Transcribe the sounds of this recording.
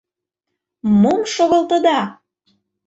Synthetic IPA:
momʃoɣɤ̆lt̪ə̆d̪ɑ

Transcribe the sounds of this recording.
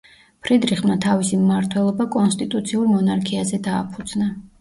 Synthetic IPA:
pʰɾid̪ɾiχmnat̪ʰavisimmaɾt̪ʰwɛlˠɔbakʼɔnst̪ʼit̪ʼut̪sʰiuɾmɔnaɾkʰiazɛd̪aːpʰud̪z̥na

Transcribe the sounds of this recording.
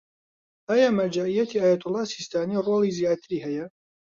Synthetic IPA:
ʔaːjaːmɐɾd͡ʒaːʔijːɐt̪ʰiaːjat̪ʊlːɑːsist̪aːniroːlizjaːt̪ɨɾiːhɛjɐ

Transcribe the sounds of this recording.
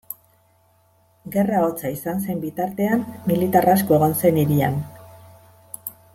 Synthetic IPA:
ɡe̞raot͡saisanse̞mbit̪aɾt̪e̞amːilit̪aras̬ko̞e̞ɣ̞o̞nse̞niɾia̰n

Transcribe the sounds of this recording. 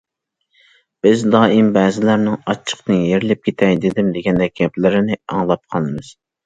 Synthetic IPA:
b̥ɪzd̪ɑːʔimbɛːzɪlæɾnɪŋɑt͡ʃʰːə̥qnɨjeɾɪlɪp̚kʲʰet̪ʰɛjd̪ɪd̪ɪmd̪ɪɡʲɛnd̪ɛk̚ʲʰːɛplɪɾɪnɪɑŋlˠɑp̚qʰɑlˠɨmɨz̥

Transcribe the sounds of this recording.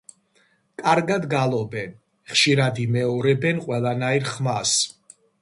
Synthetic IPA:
kʼaɾɡad̪ɡalˠɔbɛn | χʃiɾad̪imɛɔɾɛbɛnqʼwɛlˠanaiɾχmas

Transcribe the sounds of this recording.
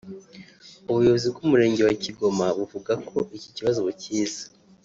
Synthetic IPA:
uβujo̞βozib̚ɡumuɾe̞ːɲɟe̞waciɡo̞maβuvuɡakʰo̞ʔiciciβazo̞βuciːzḁ

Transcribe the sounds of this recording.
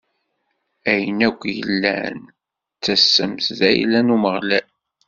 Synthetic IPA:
æjənækʷːjə̰lːæ̰n | t͡sːæsːəmszæ̰jlænuməʁlæ

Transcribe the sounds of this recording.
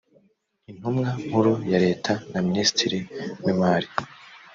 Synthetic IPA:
in̥humŋaŋ̥huɾujaɾe̞ːtʰanaminiːsi̥tʰiɾiwimaːɾi

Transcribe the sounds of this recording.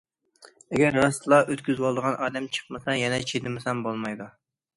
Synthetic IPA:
ɛɡʲæɾːɑst̪lˠɑʔøt̪kʲyzwɑlˠd̪əʁɑnʔɑːd̪ɛmt͡ʃʰə̥χmɨsɛjɛnɛt͡ʃʰed̪ɪmɪsɛmbolˠmɑjd̪u

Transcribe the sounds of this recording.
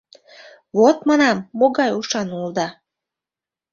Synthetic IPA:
βot̪mɑnɑmːoɣɑjuʃɑnuld̪ɑ

